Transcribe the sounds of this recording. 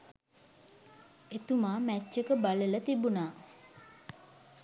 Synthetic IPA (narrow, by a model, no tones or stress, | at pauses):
et̪umaːmæt͡ʃːekəbalelət̪ibunaː